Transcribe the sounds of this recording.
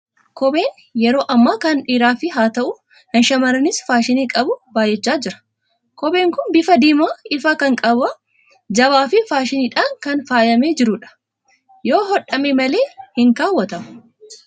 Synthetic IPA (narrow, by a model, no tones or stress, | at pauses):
kɔbe̞ːn | jɛɾo̞ːʔɐmːaːkɐnᶑiːɾaːfɪɦaːt̪ɐʔʊ | hɐnʃɐmɐɾɐnɪsfaːʃɪniːkʼɐbʊbaːjɛt͡ʃːaːd͡ʒɪɾɐ̥ | kɔbeːŋkʊnbɪfɐd̪iːmaːɪfaːkɐŋkʼɐbɐ | d͡ʒɐβaːfɪfaːʃɪniːᶑaːŋkɐnfaːjɐmeːd͡ʒɪɾʊᶑɐ̥ | joːɦɔᶑɐmemɐle̞ːhɪŋkaːwːɐt̪ɐmɐ